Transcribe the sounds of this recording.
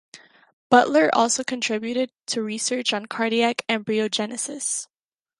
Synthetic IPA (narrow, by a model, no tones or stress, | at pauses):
b̥ʌʔlə˞ʔɔ̰lˠsoʊkʰɨ̃ntʰɹ̥ɪbjʉɾɪd̚tʰɨɹisɜ˞t͡ʃn̩kʰɑɹɾiækæ̃nbɹioʊd͡ʒɛnɨsɪs